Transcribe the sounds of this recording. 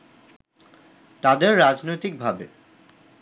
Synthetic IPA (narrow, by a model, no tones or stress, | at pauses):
t̪ad̪eɾːad͡ʑnojt̪ik̚bʱabe